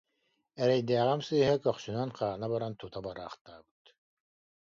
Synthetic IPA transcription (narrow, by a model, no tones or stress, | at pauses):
ɛɾɛjd̪æːʁɛmsɯjɦɛkœχsynanqaːnabaɾant̪ut̪abaɾa̰ːχt̪aːbɯ̥t̪